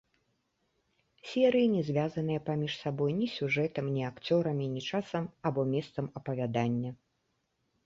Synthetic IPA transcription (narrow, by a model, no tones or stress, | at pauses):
sʲɛɾɨjinʲɛzʲvʲazɐnɨjɐpamʲiʂsabɔjnʲisʲuʐɛt̪ɐmnʲiakt͡sʲɔɾɐmʲinʲit͡ʂasɐmabɔmʲɛst̪sɐmɐpɐvʲad̪anʲːɐ